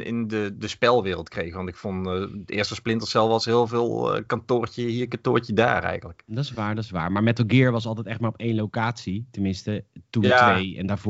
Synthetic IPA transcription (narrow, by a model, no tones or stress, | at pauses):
ɪ̰ndədəspɛlˠʋɪːrəlˠtkrejɣəʋɑntɪkfɔnɪ̰ːstəsplɪntəlsɛlˠfɑsɦɪːlˠvɪːl̰ˠkɑntoːɹcəɦiːɹkɑtʊːɹcəda̰ːrɛ̰jɣələkdɑsʋaːɹdɑsʋa̰ːɹmaːɹmɛtəlˠɡɪːɹʋɑs̬ɑlˠtɛjtɛχtmaːɹɔpejnlowkaːtsitəmɪnstətuatejɛndaːɹv